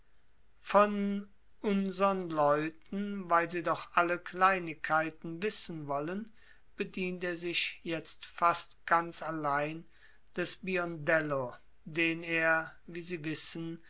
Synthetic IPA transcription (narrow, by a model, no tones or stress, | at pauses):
fɔn | ʔʊnzəʁənlɔʏtn̩vaɪlziːdɔχʔaləkl̥aɪnɪkʰːaɪtn̩vɪsən̩vɔlən | b̥ədiːnteːɐzɪʃjɛt͡stfastɡ̥ant͡salaɪn | d̥ɛsbiɔndɛlo | deːneːɐviːziːvɪsən